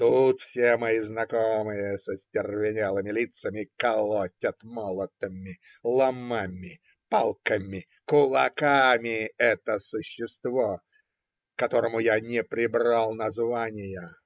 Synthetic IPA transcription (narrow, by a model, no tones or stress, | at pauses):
t̪ut̪fsʲemɐjiznɐkomɨjəsəsʲtʲɪrvʲɪnʲelˠəmʲɪlʲit̪səmʲɪkɐlˠotʲət̪molˠət̪əmʲɪ | lˠɐmamʲɪ | palˠkəmʲɪ | kʊlˠɐ̰kamʲɪɛt̪əsʊɕːɪst̪vo | kɐt̪oɾəmʊjanʲɪpɾʲɪbɾalˠnɐzvanʲɪjə